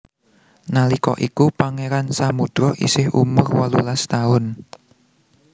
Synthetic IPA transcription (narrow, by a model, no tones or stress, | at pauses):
nalikɔ̰ʔikupaŋeɾansamud̥ɾɔʔḭsɪhṵmʊrwalulast̪aʊn